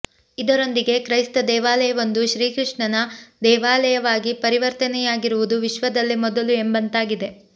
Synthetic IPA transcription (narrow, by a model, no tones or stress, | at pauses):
id̪ɐɾo̞nd̪iɡe̞kɾɐjst̪ɐd̪ɛːʋaːlɐjɐʋond̪uʃɾiːkɾiʂɳɐnɐd̪ɛːʋaːlɐjɐʋaːɡipɐɾiʋɐɾt̪ɐnɛjaːɡiɾuʋud̪uʋiʃʋɐd̪ɐlːimɔd̪ɐlue̞mbɐnt̪aːɡid̪e̞